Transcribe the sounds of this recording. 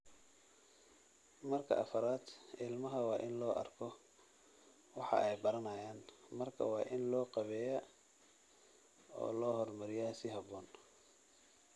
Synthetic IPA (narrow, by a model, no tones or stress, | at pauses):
mɐrkʰɐ̰ʔɐfɐɾaːd̪ʔɪlmɐɦɐwɑːʔɪnlɔːʔɐ̰rkʰɔ | wɑħɑ̰ʔɛjbɐɾɐnɐjaːnmɐrkʰɐ̰wɑːʔɪnlɔːqɑβɛːjɐ | ɔ̰ːlɔːɦɔrmɐɾɪjaːsɪɦɐβɔːn